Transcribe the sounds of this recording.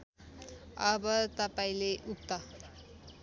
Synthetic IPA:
ʌbʌt̪ʌpaĩleʔuk̚t̪a

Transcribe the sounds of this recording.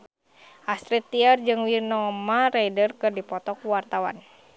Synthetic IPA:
ʔast̪ɾit̪ːiərd͡ʒɨŋwinɔmaɾajdərkɨrdipɔt̪ɔkwart̪awa̰n

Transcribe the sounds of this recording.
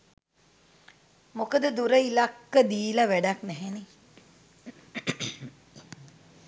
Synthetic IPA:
mokəd̪əd̪uɾəilakːəd̪iːlaʋæɖaknɛɦeni

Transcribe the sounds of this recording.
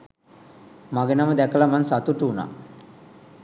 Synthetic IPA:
maɡənaməd̪ækəlamansat̪uʈuːna̰

